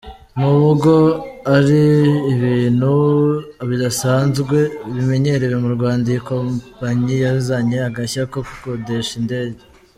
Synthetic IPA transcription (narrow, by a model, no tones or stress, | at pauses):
nuβuɡo̞aɾiːβiːn̥hu | βidasaːnzɡwe̞βime̞ɲe̞ɾewemuɾɡwaːndajikompaɲijazaɲeaɡaçakoku̥kode̞ʃinde̞ːɟe